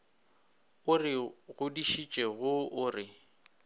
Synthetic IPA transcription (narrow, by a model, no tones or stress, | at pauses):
ʊrɪɣʊdiʃit͡ʃʼɛɣʊʊrɪ